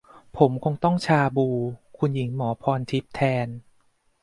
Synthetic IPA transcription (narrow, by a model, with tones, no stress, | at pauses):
pʰo˩˦mkʰo˧ŋt̪ɔ˥˩ŋt͡ɕʰaː˧buː˧kʰu˧nji˩˦ŋmɔː˩˦pʰɔː˧nt̪ʰi˦˥p̚t̪ʰɛː˧n